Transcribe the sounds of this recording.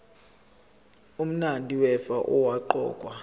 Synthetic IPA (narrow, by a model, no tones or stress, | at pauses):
um̩nandʼʱiwɛfaʔɔwaǃɔ̰ːkʼwa